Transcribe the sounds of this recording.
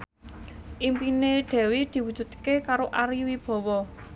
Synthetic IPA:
ʔimpineɖ̪̥ɛ̤wid̪̥i̤wud̥d͡ʒ̥ṳd̪kekaɾoʔaɾiwib̥ɔ̤wɔ

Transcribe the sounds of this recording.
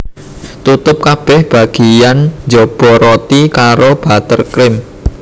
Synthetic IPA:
t̪ut̪ʊp̚kab̥ɛhb̥a̤ɡ̥ijand͡ʒɔb̥ɔ̤ɾot̪ikaɾob̥a̤t̪ərkɾɪm

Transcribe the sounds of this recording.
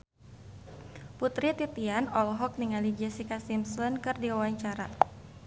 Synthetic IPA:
put̪ɾit̪it̪ianɔlɦɔk̚niŋalid͡ʒɛsikasimsɔnkɨrdiwawaɲt͡ʃaɾa

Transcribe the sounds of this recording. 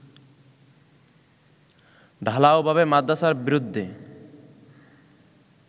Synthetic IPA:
ɖʱalaobʱaβemad̪ːaʃaɾbiɾud̪ʱːe

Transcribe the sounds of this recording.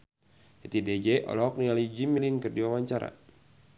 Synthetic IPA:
ɛt̪ided͡ʒɛʔɔ̰lɔk̚nialid͡ʒimilinkɨrdiwawaɲt͡ʃaɾa̰

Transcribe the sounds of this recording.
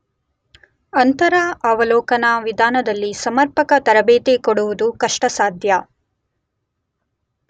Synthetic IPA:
ɐnt̪ɐɾɐɐʋɐlɔːkɐnɐʋid̪ʱaːnɐd̪ɐlːisɐmɐɾpɐkɐt̪ɐɾɐbeːt̪ekoɽuʋud̪ukɐʂʈɐsaːd̪ʱjɐ

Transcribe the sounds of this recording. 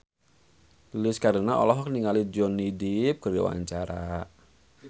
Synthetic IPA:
lɪskaɾənaɔ̰lɔɦɔkniŋalid͡ʒɔnidip̚kərɡawa̰ɲt͡ʃaɾa

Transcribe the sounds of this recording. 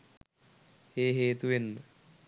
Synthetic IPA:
eːɦeːt̪uʋenːə

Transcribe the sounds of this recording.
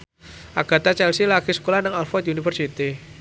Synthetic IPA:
ʔaɡ̥a̤t̪at͡ʃɛlsilakisə̥kolahnəŋɔlfɔt̪iunifərsit̪i

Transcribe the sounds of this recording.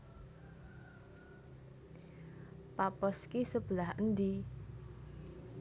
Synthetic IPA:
papɔskisəb̥əlahənd̪i

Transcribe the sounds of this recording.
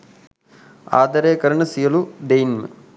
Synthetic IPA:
a̰ːd̪ɐɾeːkɐɾɐɳɐsijɐluɖejnmɨ̰

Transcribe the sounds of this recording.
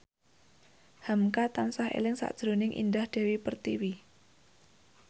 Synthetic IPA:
hamkat̪ansaɦḛlɪŋsa̰ʔd̥ʒ̥ɾo̤nɪŋʔḭndahd̥ɛ̤wipərt̪iwi

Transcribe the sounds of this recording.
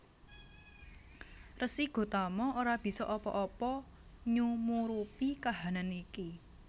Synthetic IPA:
rʔəsiɡ̥o̤t̪amɔoɾab̥i̤sɔ̰ʔɔpɔ̰ʔɔpɔ | ɲumuɾupikaɦananiki

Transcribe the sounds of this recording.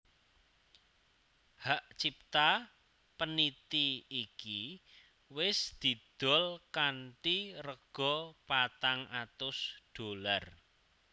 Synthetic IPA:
haʔt͡ʃip̚t̪a | pənit̪iːki | wɪsd̪̥i̤d̪̥ɔ̤lkanʈirəɡ̥ɔpat̪aŋʔat̪ʊsɖ̥o̤lar

